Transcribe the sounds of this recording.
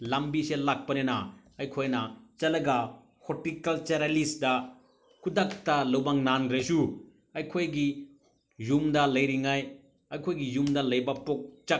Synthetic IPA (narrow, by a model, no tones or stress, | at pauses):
lɐmbiselak̚pɐnenɐ | ɐjkʰojnɐt͡ʃɐlɐɡa | hʰotikɐlt͡ʃɐɾalisdɐ | kʰudaktɐlɐwbaŋnanɾɐjsu | ɐjkʰojɡi | jumdɐlɐjɾiŋaj | ɐjkʰojɡijumdɐlɐjbɐpok̚t͡ʃa